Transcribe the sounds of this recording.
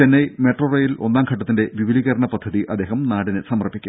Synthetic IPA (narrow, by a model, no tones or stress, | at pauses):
enːɐjmeʈrorɐjilo̞nːaːmkʰɐʈːɐt̪ːinde̞ʋiʋiliɣɐɾɐɳɐpɐd̪ʱːɐðiʔɐd̪ːeːɦɐmnaːɽinɨsɐmɐrpːikʲːu